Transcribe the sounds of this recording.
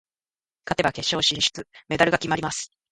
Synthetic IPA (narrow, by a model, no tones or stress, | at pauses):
kat̪e̞bake̞ɕːo̞ːɕĩɰ̃ɕɨ̥t͡sɨme̞d̪aɾɯ̟ɡakʲimaɾimasɨ̥